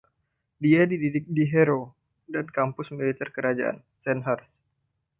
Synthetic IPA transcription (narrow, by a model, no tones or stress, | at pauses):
diadididɪk̚diɦɛɾo | dankampʊsmilit̪ɛrkəɾad͡ʒa̰ʔa̰n | sɛnɦars